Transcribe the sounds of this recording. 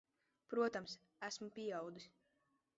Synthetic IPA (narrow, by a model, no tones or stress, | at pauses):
pɾuɔt̪ams | æsmupʲiɛawd̪is